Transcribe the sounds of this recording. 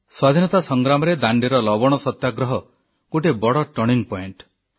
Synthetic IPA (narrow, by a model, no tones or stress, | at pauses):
swad̪ʱinɔt̪asɔŋɡɾamɔɾed̪aɳɖiɾɔlɔbɔɽ̃ɔsɔt̪jaɡɾɔɦɔ | koʈebɔɽɔʈɔɽiŋɡpɔeɳʈ